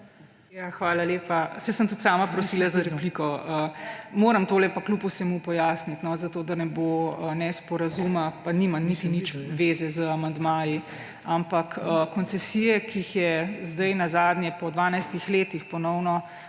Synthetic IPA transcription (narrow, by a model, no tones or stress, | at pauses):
jaːxʋaːlaleːpasɛsəmt̪ut̪saːmapɾɔsiːlazaɾɛplikɔəmoːɾɐmt̪oːlɛpakluːpusɛmupɔjaːsnit̪nɔzat̪oːd̪aɾnɛboənɛspɔɾazumapanimanit̪init͡ʃʋeːzɛzəamand̪maːji | ampakəkɔnt͡s̪ɛsijɛkixjɛzd̪ɐjnazaːd̪njɛpɔd̪ʋaːnajst̪ixleːt̪ixpɔnɔwnɔ